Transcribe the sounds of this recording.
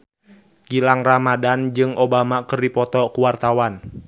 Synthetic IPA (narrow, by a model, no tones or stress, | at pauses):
ɡ̥ilaŋramadand͡ʒɨŋʔobamakərdipɔt̪ɔkuwart̪awan